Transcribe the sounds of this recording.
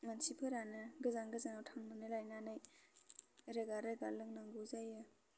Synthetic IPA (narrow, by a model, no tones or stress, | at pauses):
mansipʰɯɾanɯɡɯzaŋɡɯzaŋawtʰaŋnɯnɯlajnanɯj | ɾeɡaɾaɡalɯŋnaŋɡuzajɯ